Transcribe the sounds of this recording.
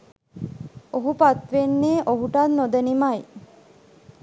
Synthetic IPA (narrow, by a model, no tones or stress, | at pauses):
oɦupat̪ʋenːeːʔoɦuʈanːod̪ənimaj